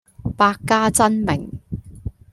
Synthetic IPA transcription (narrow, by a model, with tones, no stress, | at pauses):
paː˧kːaː˥t͡sɐ˥nmɪ̰˨˩ŋ